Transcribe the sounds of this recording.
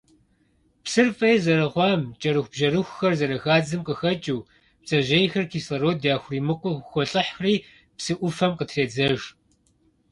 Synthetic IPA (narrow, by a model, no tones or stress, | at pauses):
psɨrfʼɐjɛzɐɾɨʁʷɑːmt͡ʃʼɐɾɨxʷb̥ʒɐrɨxʷxɐrzɐɾɐxaːd͡zɨmqəxɐt͡ʃʼuː | p̚t͡sʼɐʑejxɐrkʰiːslɐɾoːdjaːxʷʊriːmɨqʷɔxʷɔɬʼɨħxriː | psɨʔʷʊfɐmqətʰreːd͡zɐʒ